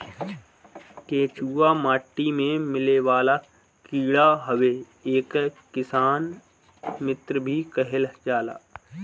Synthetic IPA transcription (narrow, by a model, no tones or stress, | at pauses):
keːt͡ʃuːamaːʈːimẽmɪleʋaːla | kiːɽaɦəʋe | eːkː | ɪsaːn | mɪt̪ɾəbʱikəɦɪld͡ʒaːla̰ː